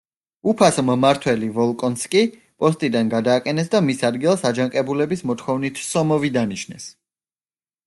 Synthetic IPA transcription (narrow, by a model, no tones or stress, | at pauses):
upʰasmmaɾt̪ʰwɛlivɔlˠkʼɔnskʼi | pʼɔst̪ʼid̪anɡad̪aːqʼɛnɛsd̪amisad̪ɡilˠsad͡ʒaŋqʼɛbulɛbismɔt̪ʰχɔvnit̪ʰsɔmɔvid̪aniʃnɛ̰s